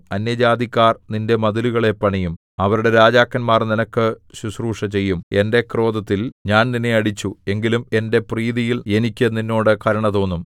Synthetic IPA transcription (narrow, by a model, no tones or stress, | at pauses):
ɐnjɐd͡ʑaːd̪ikʲːaːrninde̞mɐðiluɣɐɭe̞pːɐɳɐjum | ɐʋɐɾuɽe̞ɾaːd͡ʑaːkːɐnmaːrninɐkːɨɕusruːʂɐt͡ɕejːume̞nde̞kro̞ːd̪ɐt̪ːilɲaːnninːeɐɽit͡ɕːue̞ŋɡilume̞nde̞priːðijile̞nikʲːɨninːo̞ːɽɨkɐɾɐɳɐðo̞ːnːum